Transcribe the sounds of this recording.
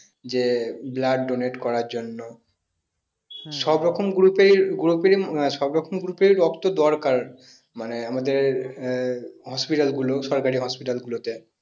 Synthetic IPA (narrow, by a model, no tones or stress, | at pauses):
d͡ʑeblaɖɖoneʈkɔɾaɾd͡ʑonːo | ʃɔbɾɔkʰomɡuɾupeiɡuɾupeɾimʃɔbɾɔkʰomɡuɾupeɾiɾɔkt̪od̪ɔɾkaɾ | maneamad̪eɾ | ɦɔspiʈalɡuloʃɔɾkaɾiɦɔspiʈalɡulot̪e